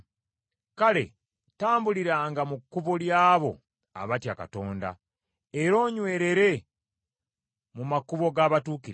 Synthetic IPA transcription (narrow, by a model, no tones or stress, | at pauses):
kale̞̰ | taːmbuliɾaːŋɡamukːuβoljaːβo̞ | a̰βatjaka̰to̞ːnda̰ | eɾo̞ːɲwe̞ːɾe̞ɾe̞ | mumakuβo̞ɡaːβatuːkiɾe